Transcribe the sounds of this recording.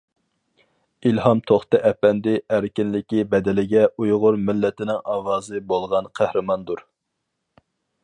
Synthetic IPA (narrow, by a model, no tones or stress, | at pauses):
ilhɑmt̪ʰoχt̪ɨʔɛpɛnd̪ɪʔæɾkʲɪnlɪkʲibɛd̪ɪlɪɡʲɛujʁʊɾmɪlːɪt̪ɪnɪŋɑːwɑːzɨbolˠʁɑnqʰæhɾɨmɑnd̪uɾ